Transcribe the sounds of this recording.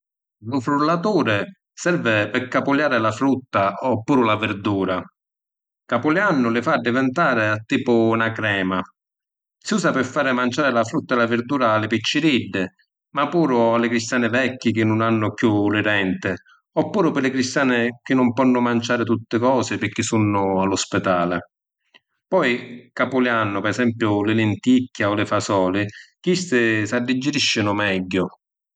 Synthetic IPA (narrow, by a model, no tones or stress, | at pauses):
lʊfɾulːat̪uːɾɪ | sɛɾvɪpɪkːapʊljaːɾɪlafɾut̪ːaɔpːuːɾʊlavɪɾd̪uːɾa | kapʊljanːʊlɪfaɖːɪvɛnt̪aːɾɪat̪ːiːpʊnakɾɛːma | sɪuːsapɪfːaːɾɪmant͡ʃaːɾɪlafɾut̪ːaɪlavɪɾd̪uːɾaːlːɪpit͡ʃːɪɾiɖːɪ | mapːuːɾʊalːɪkɾist̪jaːnɪvɛkːɪk̟ɪnːʊnanːʊkjulɪɾɛnt̪ɪ | ɔpːuːɾʊpɪlɪkɾist̪jaːnɪk̟ɪnːʊmpɔnːʊmant͡ʃaːɾɪt̪ut̪ːɪkɔːsɪpɪk̟ːisunːʊalːʊspɛd̪aːlɪ | pɔjkapʊljanːʊpɛɛsɛmpjʊlɪlɪnt̪ikːaɔlɪfasɔːlɪkist̪ɪsad̪ːid͡ʒːɪɾiʃːɪnʊmɛɟːʊ